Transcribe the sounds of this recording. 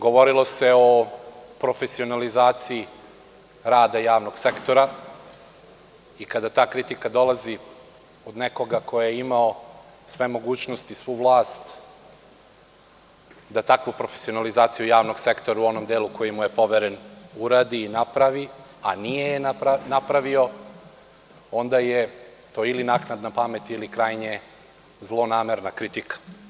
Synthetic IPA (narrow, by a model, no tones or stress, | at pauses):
ɡo̞ʋo̞ɾilˠo̞seo̞pɾo̞fe̞sio̞nalizaːt̪siː | ɾaːd̪ajaːʋno̞ɡ̥sekt̪o̞ɾa | ikad̪at̪aːkɾit̪ikad̪o̞lazi | od̪neko̞ɡakʰo̞jeimao | sʋe̞mo̞ɡuːt͡ɕnost̪isʋuːʋlˠaːst̪ | d̪at̪akʋupɾo̞fe̥sio̞nalizaːt̪sijujaːʋno̞ɡse̞kt̪oɾauo̞nomd̪eːlˠuko̞jimuje̞po̞ʋeɾenuɾaːd̪iːnapɾaʋi | anijejenaɾanapɾaʋio̞ | o̞nd̪ajet̪oːilinaːknad̪napame̞t̪iilikɾaːjɲe | zlˠo̞naːmeɾnakɾit̪ikḁ